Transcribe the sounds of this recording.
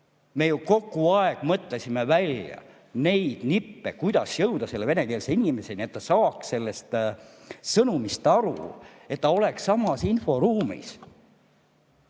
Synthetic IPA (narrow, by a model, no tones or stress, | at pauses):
me̞juko̞kːˑuɑeɡ̥mɤt̪lesʲime̞vælʲjɑ̰ | ne̞jd̪̥nipːekujd̪̥ɑsjɤwd̪ɑse̞lːeve̞ne̞keːlseinʲime̞se̞nʲie̞t̪t̪ːɑsɑːksse̞lːe̞st̪ | sɤnumist̪ɑɾṵ | e̞t̪ːɑo̞le̞ksːɑmɑsinfo̞ɾuːmḭs